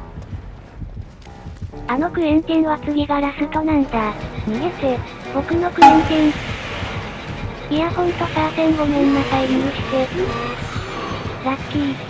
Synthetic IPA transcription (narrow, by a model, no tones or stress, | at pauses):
anokɯ̟ẽ̞nt̪ẽnoakɨmʲeɡaɾasɯkonãnt̪amʲijese | bokɯ̟nokɯ̟ẽnt̪ẽn | iahõnt̪osasẽŋɡomẽnːakaimiɯɕi̥t̪e | ɾakʲːi